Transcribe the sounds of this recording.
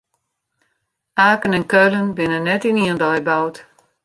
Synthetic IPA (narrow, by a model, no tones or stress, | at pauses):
ʔaːkənɛnkølənbɪnənːɛtiniəndɔjbawt